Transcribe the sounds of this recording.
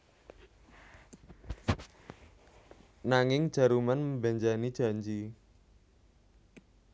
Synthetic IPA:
naŋɪŋd̥ʒ̥a̤ɾumanməmbaɲd͡ʒanid̥ʒ̥a̤ɲd͡ʒi

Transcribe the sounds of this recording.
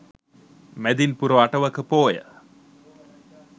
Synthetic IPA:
med̪inpuɾoɐʈɐʋɐkːəpoːjə̰

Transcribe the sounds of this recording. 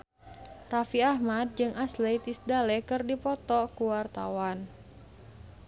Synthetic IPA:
rafiahmad̪̚d͡ʒɨŋʔaslejt̪isdalɛkɨrdipɔt̪ɔkuwart̪a̰wan

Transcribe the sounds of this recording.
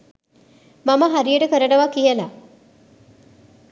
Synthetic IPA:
maməɦaɾijəʈəkəɾəʈɐʋakijəla

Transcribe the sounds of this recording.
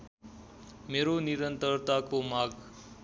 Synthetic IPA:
meɾoniɾənt̪əɾt̪akomaːɡ

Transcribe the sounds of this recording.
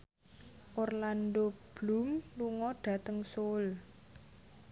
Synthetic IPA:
ʔorlandob̥lṳmluŋɔɖ̥ä̤t̪əŋsol

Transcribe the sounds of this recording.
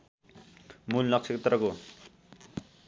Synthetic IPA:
mullʌksʰʌkt̪ɾʌko

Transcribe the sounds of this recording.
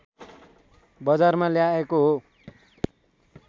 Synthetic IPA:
bʌd͡zarmaljaekoɦo

